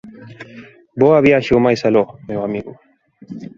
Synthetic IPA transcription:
boaβiaʃiumajsalomewamiɣu

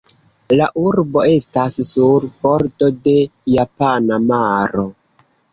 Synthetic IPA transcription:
laʔuɾbo̞e̞stassuɾbo̞ɾdo̞de̞japanamaɾo̞

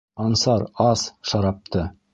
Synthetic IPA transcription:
ɑnsɑɾɑsʃɑɾɑp̚t̪ʰɤ

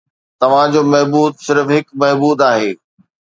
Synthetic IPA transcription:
t̪ɐʋ̤ãd͡ʑoːmɐɦbuːd̪̚sɪɾfɦɪkmɐɦbuːd̪aːɦeː

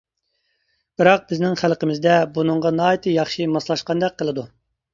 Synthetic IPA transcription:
b̥ɨɾɑq̚bɪznɪŋχælˠqəmɪzd̪ɛbunɨŋʁɑnɑːjit̪ʰɨjɑχʃimɑslˠɑʃqɑnd̪ɛq̚qʰːəlˠɨd̪u

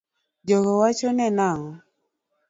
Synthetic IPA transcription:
d͡ʒɔɣɔwat͡ʃɔnɛnaŋɔ

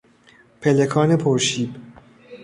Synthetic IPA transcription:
pʰe̞lekʰɒːne̞pʰoɾʃiːb

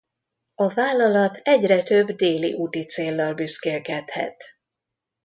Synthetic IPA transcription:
ɒvaːlːɒlɒt̪ʰɛɟrɛt̪ø̞bd̪eːlḭʔut̪it̪seːlːɒlbyskeːlkɛt̪hɛ̰t̪

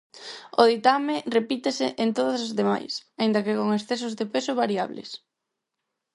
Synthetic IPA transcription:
oðit̪amerepit̪esɪʔent̪oðʊsazðema̰jsaĩnd̪ɐkekoŋesθes̬ʊzðepesʊβaɾia̰βlḛs

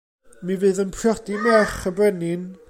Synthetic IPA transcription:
mivɨːðənpʰrjɔdimɛχəbrɛnɪn

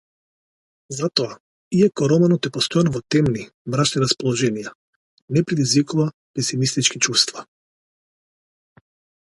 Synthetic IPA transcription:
zat̪ɔa | iɛkɔɾɔmɛnɔt̪ɛpɔst̪ɔjanɔvɔt̪ɛmnimɾaʃniɾaspɔlˠɔʒɛnija | nɛpɾɛd̪izvikuva | pɛsimist̪it͡ʃkit͡ʃust̪va

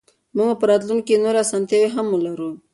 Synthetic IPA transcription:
muŋɡapəɾɑt̪lunkenoɾeasamt̪jaweɦamːulaɾu

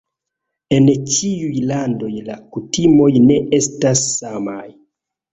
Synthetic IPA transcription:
e̞nt͡ʃiujlando̞jlakutimo̞jne̞ʔe̞stasːamaj

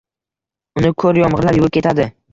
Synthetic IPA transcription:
ʊnɪkʰɵɾjɒmʁɨlaɾjʊɪp̚kʲe̞t̪ʰad̪ɪ

